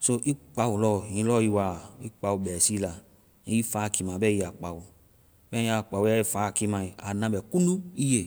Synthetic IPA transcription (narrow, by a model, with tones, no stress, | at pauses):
so˧ʔi˦k͡pa˧wu˨lɔ˦˨jĩ˧˦lɔ˦˨ji˧wa˨i˦k͡pa˧wu˧bɛ˨si˦la˧ | ĩ˨˦i˦fa˨˦˨ki˧mã˨bɛ˦i˧˦a˨k͡pa˨wu˨ | bɛ˦ĩ˦˧˦a˨k͡pa˨wu˨˦a˦i˦faː˨˦˨ki˧mã˧i˨a˨nã˧bɛ˨ku˦nũ˦i˦je˨